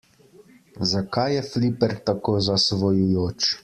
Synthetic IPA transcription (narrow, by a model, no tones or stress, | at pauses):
zakajːɛflipɛɾt̪akoːzasʋɔjujoːt͡ʃ